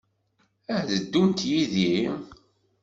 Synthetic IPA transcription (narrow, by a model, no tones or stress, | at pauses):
æhðəd̪ːunt̪jiði